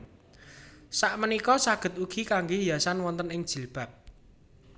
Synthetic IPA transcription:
saʔmənikɔsaɡ̥ə̤t̪uɡ̥i̤kaŋɡejasanwɔnt̪ənɪŋd̥ʒ̥i̤lb̥ä̤p̚

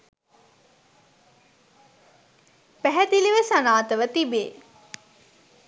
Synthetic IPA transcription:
pæɦɛt̪iliʋəsanaːt̪əʋət̪ibeː

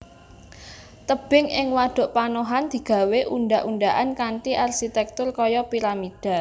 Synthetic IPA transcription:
t̪əb̥ɪ̤ŋɪŋwad̪̥o̤ʔpanoɦand̪̥i̤ɡ̥a̤weʔunɖaʔunɖaʔankaɳʈiʔarʃit̪ɛk̚t̪ʊrkɔjɔpiɾamid̥a̤

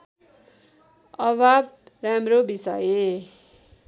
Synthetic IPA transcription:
ʌβʱab̚ramɾobisʌje

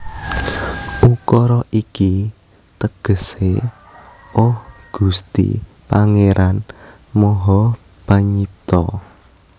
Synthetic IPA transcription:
ukɔɾɔʔiki | t̪əɡ̥ə̤se | ɔhɡ̥ṳst̪ḭ | paŋeɾʔan | mɔɦɔ | b̥aɲip̚t̪ɔ

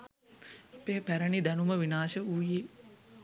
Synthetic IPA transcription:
peːpæɾənid̪ænuməʋinaːʃəuːji

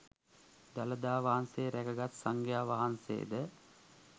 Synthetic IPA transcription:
d̪aləd̪aːʋaɦanseːɾækəɡat̪saŋɡjaːʋaɦansḛːd̪ə

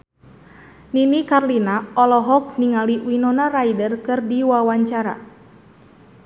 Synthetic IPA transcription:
ninikarlinaɔlɔɦɔk̚niŋaliwinɔnaraidərkɨrdiwawaɲt͡ʃaɾa̰

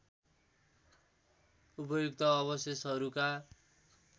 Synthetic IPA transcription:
upʌjokt̪ʌːβʌsʌsʌɾuka

